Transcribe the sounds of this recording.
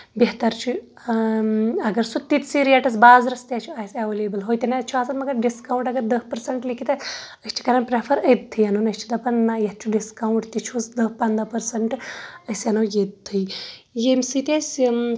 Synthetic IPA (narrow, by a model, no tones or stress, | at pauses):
beɦt̪ɐɾt͡ʃʰu | ɐɡɐɾsut̪ːit̪siɾijaʈɐsbaːzɾɐst̪jat͡ʃʰuaːsɐʋeːleːbəlɦoːjt̪ɐnat͡ʃʰuaːsɐnmɐɡɐɾɖiskauɳʈɐɡɐɾd̪ɐhpɐɾsɐɳʈlikʰit̪ɐsəst͡ʃʰi̥kɐɾɐnpɾepʰɐɾəd̪̚t̪ʰːɨjɐnunɐsʲt͡ʃʰud̪ɐpɐnːajɐt̪̚t͡ʃʰuɖiskawuɳʈt̪it͡ʃʰuzd̪ɐhpɐnd̪apɐɾsɐɳʈəsɐnoːjed̪̚t̪ʰːɨjjemsit̪ʲas